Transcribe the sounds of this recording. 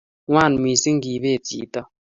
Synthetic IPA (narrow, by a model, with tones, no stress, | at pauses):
ŋwa˦˨n˨mi˨si˦ŋ̩˦ɡi˨βe˦˨tḭ˨˦tɔ˦